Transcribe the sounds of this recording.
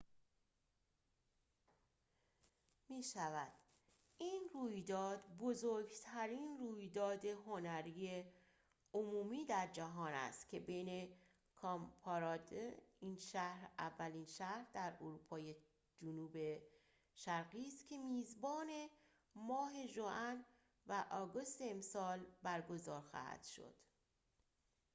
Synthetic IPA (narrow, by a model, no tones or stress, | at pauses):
miːʃævæd̪̥ | iːnruːjd̪ɒːd̪bozoɾɡt̪ʰæɾiːnruːjd̪ɒːd̪e̞ɦonæɾiːe | omuːmiːd̪æɾd͡ʒæɦɒːnæ̰st̪cʰe̞be̞jne̞ | kʰɒmpʰɒɾɒːd̪eiːnʃæhɾʔævːæliːnʃæhɾd̪æɾoɾuːpʰɒːje | d͡ʒonuːbe̞ | ʃæɾɣiːst̪cʰe̞miːzbɒːne̞ | mɒːɦe̞ʒoʔæn | væʔɒːɡo̞st̪eːmsɒːlbæɾɡo̞zɒːɾxɒ̰ːhæ̰d̪̥ʃo̞̰d̪̥